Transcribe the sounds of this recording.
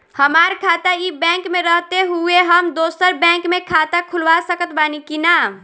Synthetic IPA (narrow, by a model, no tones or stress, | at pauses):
həmaːɾkʰaːt̪aibɛ̃ːŋkmẽɾəɦt̪eɦueɦəmd̪oːsəɾbɛ̃ːŋkmẽkʰat̪akʰʊlʋasəkət̪baːnikinaː